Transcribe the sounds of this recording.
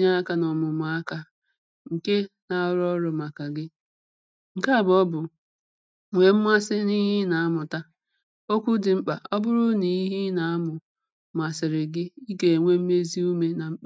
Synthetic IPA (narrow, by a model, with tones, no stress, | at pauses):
ɲa˦a˦ka˦nɔ˨mʊ˨mʊ˨a˦ka˦ | ŋ̩˨ke˦na˨ʊ˦ɾɔ˦ɾʊ˨ma˨ka˨ɡɪ˦ | ŋ̩˨ka˦˨bɔ˦bʊ˨ | ŋʷe˨m̩˦mʷ˦a˦sɪ˦ni˦ɦɪ˦na˨a˦mʊ˨ta˦ | o˦kʷu˦dɪ˨ŋ͡m̩˦k͡pa˨ʔɔ˦bʊ˦ɾʊ˦ni˨i˦ɦi˦na˨a˦mʊ˨ | m˨a˨sɪ˨ɾɪ˨ɡɪ˦i˦ɡe˨ŋʷe˦m̩˦me˦zi˦u˦me˦na˨m̩˦k͡pa˦